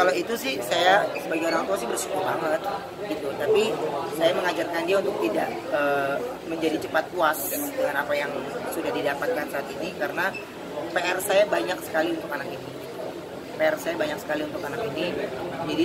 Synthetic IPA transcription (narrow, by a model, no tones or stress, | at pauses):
kaloit̪usɪhsajasəbaɡɛoɾaŋt̪uasɪhbərsu̥kubaŋət̪̚ | ɡit̪ut̪apisajaməŋad͡ʒarkandiaunt̪ʊk̚t̪idaʔ | əː | məɲd͡ʒadit͡ʃəpat̪̚puasəŋdəŋanapajaŋsudahdidapat̪̚kansaːt̪inikaɾəna | peɛrsajabaɲaksə̥kaliunt̪ʊkanakini | peɛrsajabaɲak̚sə̥kaliunt̪ʊkanakinid͡ʒadi